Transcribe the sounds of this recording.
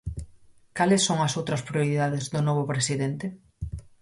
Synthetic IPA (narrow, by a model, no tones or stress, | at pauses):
kalɪsːoŋɐsowt̪ɾɐspɾijoɾiðaðezðʊnɔβʊpɾesiðent̪ɪ